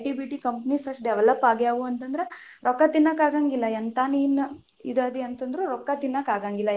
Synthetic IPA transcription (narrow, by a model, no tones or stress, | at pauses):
ʈibiʈikɐmpɐnisɐʂʈɖɛʋɛlɐpːaːɡjaːʋuɐnt̪ɐnd̪ɐɾe | ɾɔkːat̪inːakaːɡaːŋɡilːɐɐnt̪aːniːn | id̪ad̪iɐnt̪ɐnd̪ɾuɾɔkːat̪inːakaːɡaːŋɡilːɐ